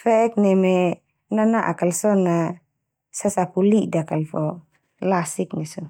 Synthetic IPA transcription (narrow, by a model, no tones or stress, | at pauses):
fɛɛk̚nɛmɛ | nanaʔa̰kalsɔna | sasapulidakalfɔ | lasik̚nɛsɔ